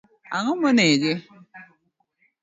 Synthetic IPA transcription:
aŋəməned͡ʒɪ

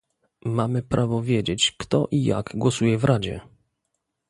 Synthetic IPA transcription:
mamɘpɾʔavɔvʲjed͡ʑet͡ɕkt̪ɔʔija̰ɡɡwɔsujɛvɾʔad͡ʑɛ̰

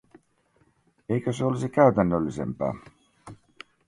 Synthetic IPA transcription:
ejkøseolisikæɥt̪ænːølːisḛmpæ̰ː

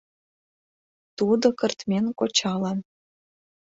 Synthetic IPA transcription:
t̪ud̪okə̆rt̪mʲenkot͡ɕɑlɑn

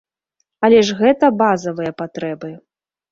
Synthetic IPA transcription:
ɐlʲɛʐɣɛt̪ɐbazɐvɨjɐpat̪ɾɛbɨ

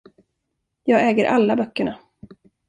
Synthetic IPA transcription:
jɑːɡɛːɡəɾʔalːabœkːəɳa

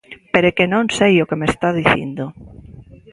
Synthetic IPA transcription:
peɾekenõnsejokemest̪aðiθjḛnd̪o

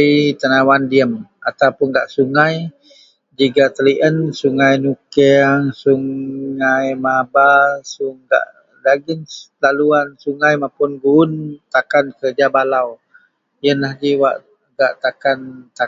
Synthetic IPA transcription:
it̪ənawandiəmat̪awpʊnɡaʔsuŋaj | d͡ʒiɡaʔt̪əliʔənsuŋajnukɛŋsuŋajmabasuŋɡa̰ʔ | laɡinlaluansuŋajmapʊnɡunt̪akankərd͡ʒabalaw | jənlahd͡ʒiwaʔ | ɡaʔt̪akant̪a

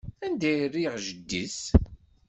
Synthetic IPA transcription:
ænd̪æjərːiʁʒəd̪ːis

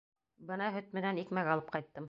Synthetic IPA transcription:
bɤnɑɦɵ̆t̪̚mɘ̆nænikmæɡɑlˠɤp̚qɑjt̪ːɤm

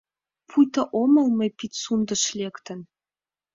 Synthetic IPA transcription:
pʰujt̪ɑʔomɤ̆lmɤ̆pit̪ʲsund̪ɤ̆ʃlʲekt̪ə̆n

